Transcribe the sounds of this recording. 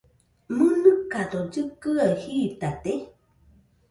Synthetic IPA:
mɨnɨkad̪od͡ʒɨkɨahit̪at̪e

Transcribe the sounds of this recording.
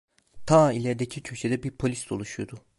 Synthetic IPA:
t̪ʰailʲæɾd̪ecʰicʰøʃʰed̪ɛbiɾpʰo̞lʲisd̪olˠuʃujod̪u

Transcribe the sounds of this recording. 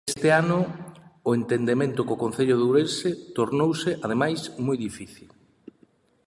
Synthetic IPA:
st̪ɪanʊː | ent̪end̪emẽnt̪ʊkokõn̟θeʎʊðewɾensɪt̪oɾnowsɪʔaðemajsmojðifiθil

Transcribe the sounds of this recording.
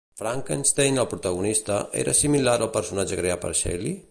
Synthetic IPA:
fɾaŋkənst̪ejnəlˠpɾut̪aɣunist̪əʔḛɾəsimilaɾəlˠpəɾsunad͡ʒəkɾeapə̰ɾʃɛ̰li

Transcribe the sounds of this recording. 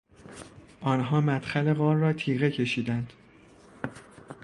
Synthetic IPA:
ʔɒːnɦɒːmæt̪xæle̞ɣɒːɾːɒːt̪ʰiːɣe̞cʰe̞ʃiːd̪ænd̪̥

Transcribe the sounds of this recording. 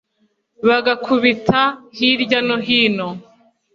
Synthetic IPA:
βaɡakʰuβitʰahiɾɟanoɦiːno

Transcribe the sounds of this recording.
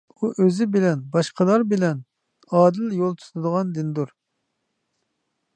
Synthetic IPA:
uʔøzɪbɪlɛnbɑʃqʰəlˠɑɾbɪlɛn | ɑːd̪ɪljolˠt̪ʰu̥t̪ʰɨd̪əʁɑnd̪ɪnd̪uɾ

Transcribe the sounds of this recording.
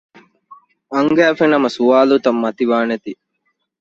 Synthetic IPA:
ɐŋɡæːfenɐmɐsuaːlut̪ɐmːɐt̪iʋaːnet̪i

